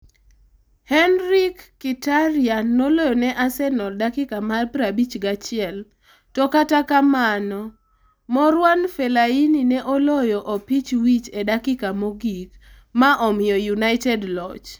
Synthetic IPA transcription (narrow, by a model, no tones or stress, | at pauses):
hɛnɾikːitaɾɪanːolɔjɔnɛʔasɛnɔldakɪkamarpɾabit͡ʃɡat͡ʃɪɛl | tɔkatakamanɔ | mɔɾwanfɛlaininɛʔɔlɔjɔʔopit͡ʃwit͡ʃedakɪkamoɡik | maʔɔmɪjɔjunaɪtɛdlɔt͡ʃ